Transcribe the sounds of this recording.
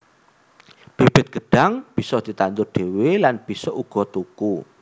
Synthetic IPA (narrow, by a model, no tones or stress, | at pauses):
b̥eb̥ɪ̤t̪̚ɡ̥ə̤ɖ̥a̤ŋb̥isɔd̪̥i̤t̪and̪ʊrɖ̥ewelanb̥i̤sɔʔuɡ̥ɔ̤t̪uku